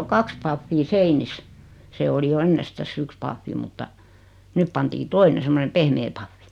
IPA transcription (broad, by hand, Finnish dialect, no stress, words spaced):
o kɑks pɑfːiː seinis se oli jo enːestæsː yks pɑfːi mutːɑ nyp pɑntiː toine semːone pehmeː pɑfːi